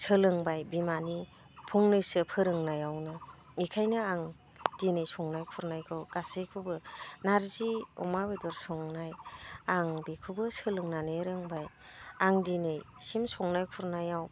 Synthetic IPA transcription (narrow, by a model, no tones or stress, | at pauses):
sɯlɯŋbajbimani | pʰuŋnɯjsɯpʰɯɾɯŋnajawnɯ | ikʰajnɯaŋ | dinejsɔŋnajkʰuɾnajɡʰɔɡasekʰubɯnaɾziɔ̰mabedɔɾsɔŋnajaŋbekʰubɯsɯlɯŋnaneɾɯŋbaj | aŋdinɯjsimsɔŋnajkʰuɾnajaw